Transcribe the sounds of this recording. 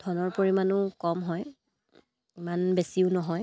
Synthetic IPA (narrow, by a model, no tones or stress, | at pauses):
dʰʱɔnɔɹpoɹimanʊkɔmɦɔj | imanbesiʊnɔɦɔj